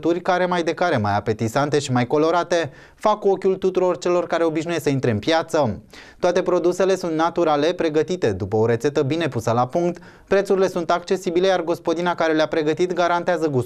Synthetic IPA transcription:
t̪urʲkaɾe̞majd̪e̞kaɾe̞majape̞t̪isant̪e̞ʃimajko̞lo̞ɾat̪e̞ | fako̞kʲult̪ut̪uɾo̞rt͡ʃe̞lo̞rkaɾe̞o̞biʃnujesəint̪ɾe̞ɨnpjat̪sət̪ːoat̪e̞pɾo̞d̪use̞le̞sunt̪nat̪uɾale̞pɾe̞ɡət̪it̪e̞d̪upəoɾe̞t̪se̞t̪əbine̞pusəlapuŋkt̪ | pɾe̞t̪suɾile̞sunt̪ak̚t͡ʃe̞sibile̞jarɡo̞spo̞d̪inakaɾe̞leapɾe̞ɡət̪it̪ɡaɾant̪eazəɡus

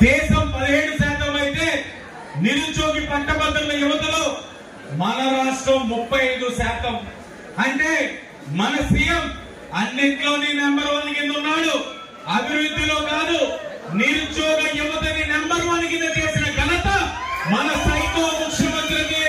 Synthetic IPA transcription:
d̪ɛːʃɐmpɐðeːɽusaːt̪ɐmɐjit̪e̞ː | niɾut͡ʃoːɡipɐɳʈːɐbɐd̪ɐnːɐjuʋɐt̪ɐloː | mɐɦɐːɾaːʂʈɾɐmːupːɐjɐjɽusaːt̪ɐm | ɐɳʈ̪e̞ː | mɐnɐsijɐm | ɐnːeɳʈloːninɐmbɐɾɐʋaːnikend̪unːaːɽu | ɐbʱiɾɾud̪ʱːilo̞ːkaːd̪uniɾut͡ʃoːɡɐjuʋɐt̪ɐninɐmbɐɾʋaːnikind̪ɐt͡ʃ̪eːsinɐɡʱɐnɐt̪ɐmɐnɐsɐjk̪oːmukʰjɐmɐnt̪ɾini

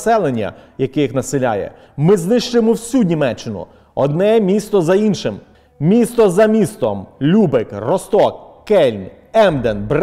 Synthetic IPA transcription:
sɛlˠenʲːɐ̰jɐkɛjixnɐselʲa̰jɛ̰ | mɪznɪʃt͡ʃɪjmɔwsʲunʲimɛt͡ʃːɪnʊ̰ | ɔd̪̚nɛmʲist̪ɔzɐinʃɪm | mʲist̪ɔzɐmʲist̪ɔmlʲubɪkrɔst̪ɔkːɛlʲnʲ | ɛmd̪enbɾ

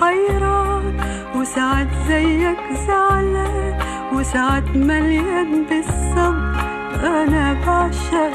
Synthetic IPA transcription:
ajɾˤa | wɪsaʕat̪zajːakzaʕla | wɪsaʕat̪maljanbɪsːɑb | ʔanabaʕʃa

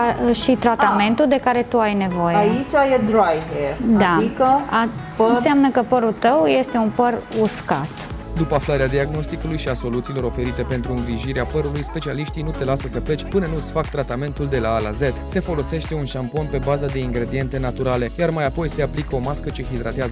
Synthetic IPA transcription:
ʃit̪ɾat̪ame̞nt̪uld̪e̞kaɾe̞t̪uajne̞vo̞jeait͡ʃajed̪ɾajved̪aikəa | nseamnəkəpəɾut̪əwje̞st̪e̞unpəruskat̪d̪upəaflaɾead̪iaɡno̞st̪ikulujʃiaso̞lut̪siːlo̞ɾo̞fe̞ɾit̪e̞pe̞nt̪ɾuɨŋɡɾiʒiɾeapəɾulujspe̞t͡ʃialiʃt̪inut̪e̞lasəsəplet͡ʃʲpɨnənuɨt̪sfakt̪ɾat̪ame̞nt̪uld̪e̞laːla̰ze̞t̪se̞fo̞lo̞se̞ʃt̪e̞unʃampo̞npe̞bazad̪e̞iŋɡɾe̞d̪ie̞nt̪e̞nat̪uɾale̞jarmajapo̞jse̞aplikəomaskət͡ʃexid̪ɾat̪eazə

